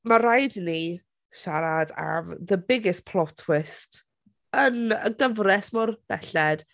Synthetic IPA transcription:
maɾajdni | ʃaɾada̰mðəbɪɡɪspʰlˠɔtʰwɪst | ənə̰ɡəvrɛsmʊrb̥ɛ̰ɬɛd̥

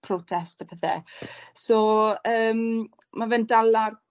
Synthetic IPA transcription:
pʰrɔtʰɛstapəθɛ̰sɔːəːm | mavɛndalar

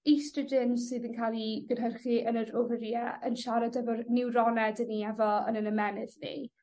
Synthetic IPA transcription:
istrədɪnsɨːðənkʰalˠiɡənɦərχiənəɾovəɾijɛənʃaɾadɛvɔrnɪwrɔnɛdəniɛvɔə̰nənəmɛnɪðnḭ

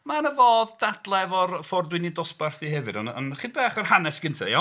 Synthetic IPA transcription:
manəvoːðdad̥lˠɛvɔrfɔrdwɪnidɔsbarθihɛvɨ̰dɔnɔ̰nχidbɛːχɔrhanɛsɡ̥ɪntʰaja

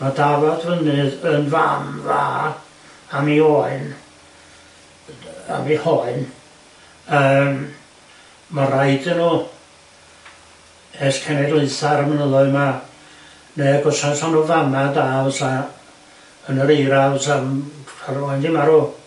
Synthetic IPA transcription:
madavadvənɨənva̰mva̰ː | amioːɨn | a̰mihɔɨn | əːm | marajdənuː | ɛskʰɛnɛɡlˠɨɨθaɾəmənəlʊɨma | neːɡɔsansɔnuːvamadaəsa | ənəɾejɾavsamkʰarɔɨndɪmaɾuː

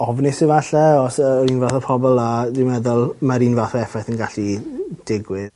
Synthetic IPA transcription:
ɔvnɪsɪvaɬɛɔsɔɾiːnvaθɔpʰɔbɔlˠadwɪmɛðʊlˠmaɾiːnvaθɔɛfɛθənɡaɬid̥ɪɡwɪð

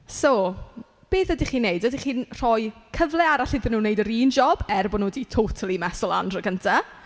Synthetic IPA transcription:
so | b̥eːðədiχiːnːejdədiχiːnr̥ɔjkʰəvlˠɛaɾaɬɪðənuːnːejdəɾiːnd͡ʒɔb̥ɛrbɔnuːditʰowtʰalˠimɛsɔlˠa̰ndrəɡəntʰa

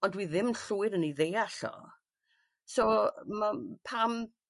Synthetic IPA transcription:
ɔndwiðɪmɬuːɪɾəniðeːaɬɔ̰ | soːmapʰam

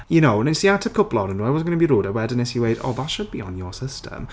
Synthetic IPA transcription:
jənoʊə̃nɪ̃nsiatʰəkʰʊplˠɔɾə̃ndoaɪwɒz̩ɡənəbiɾoːdəwɛdənɪsjəwedo̰ðatʃəd̚biə̃njəsɪstʰə̰m

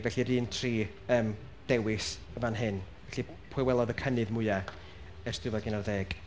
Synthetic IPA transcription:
vɛɬiɾiːntʰriː | əːm | d̥ɛwɪs | əvanɦɨn | vɛɬi | pʰʊɨwɛlˠɔðəkʰənɨðmʊja | ɛrstɨvɔɡɪnarðeːɡ̥

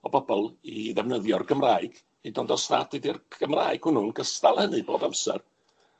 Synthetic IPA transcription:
ɔbɔbɔlˠiðɛvnəðjɔrɡəmraːɨɡ̥ | edɔndɔsa̰dɪdir̥əmra̰ːɨɡ̥hʊnʊnɡəstalˠhənɨboːdamsɛr

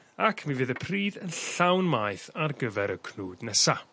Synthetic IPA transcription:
akʰmivɨːðəpʰriːðənɬawnmajθarɡəvɛɾəkʰnuːdnɛsa

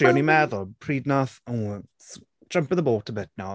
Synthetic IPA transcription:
onimɛðɔpʰɹiːdⁿnaθə | s | d̥ɹ̥ʌ̃mpɪnðəboːtʰəbɪt̚na

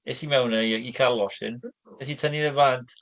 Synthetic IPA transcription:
esimɛwnəjikʰarlˠɔsɨ̰n | es̬itʰəniðɛvantʰ

